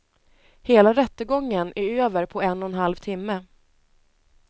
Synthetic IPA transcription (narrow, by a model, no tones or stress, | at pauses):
heːlaɾɛt̪ːəɡɔŋːənʔæɾøːvəɾpʰɔɛnːɔnɦalvt̪ʰɪmːə